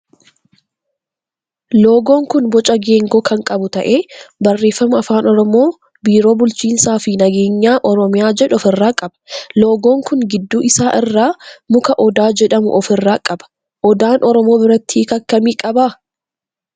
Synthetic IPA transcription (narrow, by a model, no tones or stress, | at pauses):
lo̞ːɡo̞ːŋkʊnbɔt͡ʃʼɐɡe̞ːŋɡoːkɐŋkʼɐbʊt̪ɐʔeːbɐrːe̞ːfːɐmɐɐfaːnɔɾɔmo̞ː | biːɾo̞ːbʊlt͡ʃiːnsaːfɪnɐɡe̞ːɲːaːʔɔɾɔmɪjaːd͡ʒɛᶑʊɔfɪrːaːkʼɐb̥ɐ̥lo̞ːɡo̞ːŋkʊŋɡɪd̪ːuːʔɪsaːʔɪrːaːmʊkɐʔɔd̪aːd͡ʒɛᶑɐmʊ̰ʔɔfɪrːaːkʼɐbɐ̥ | ʔɔd̪aːnʔɔɾɔmo̞ːbɪɾɐt̪ːiːkɐkːɐmiːkʼɐbaː